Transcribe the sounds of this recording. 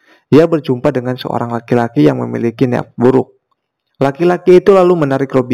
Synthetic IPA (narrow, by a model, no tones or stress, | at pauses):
iabərd͡ʒumpadəŋansə̰o̰ɾaŋlakilakijaŋmə̰mḭlikinḛa̰p̚buɾʊk̚ | lakilakiːt̪ulalumənaɾɪkrobi